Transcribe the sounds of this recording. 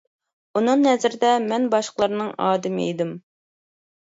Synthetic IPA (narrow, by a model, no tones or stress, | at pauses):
unɨŋnɛzɪɾɪd̪ɛmɛnbɑʃqəlˠɑɾnɨŋɑːd̪ɨmɪḛjd̪ɪm